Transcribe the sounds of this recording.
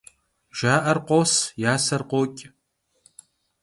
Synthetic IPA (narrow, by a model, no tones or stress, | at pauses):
ʒ̥aːʔɐrqʷoːsjaːsɐrqʷoːkʲʼ